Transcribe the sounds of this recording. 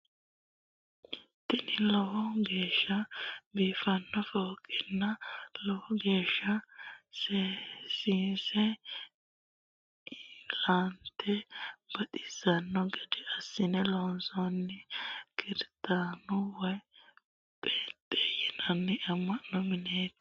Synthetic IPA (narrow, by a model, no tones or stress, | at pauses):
t̪ɪnɪlɔwɔɡe̞ːʃːɐbiːfɐnːɔfoːkʼːɪnːɐlɔwɔɡe̞ːʃːɐsesiːsɛ | lant̪ɛb̥ɐt̪ʼɪ̥z̥ɐnːɔɡɛd̪ɛɐsːɪnɛloːnsɔnːɪkɪɾt̪ʼaːnʊwɔj | pʼeːt̪ʼːeːjɪnɐnːɪʔɐmːɐnːɔmɪneːt̪